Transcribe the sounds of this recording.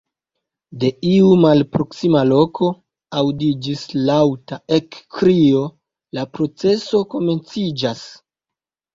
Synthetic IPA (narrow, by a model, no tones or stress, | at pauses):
de̞iumalpɾo̞ksimalo̞kʰo̞ | awdid͡ʒislawtaekːɾio̞ | lapɾo̞t͡se̞so̞ko̞me̞nt͡sid͡ʒas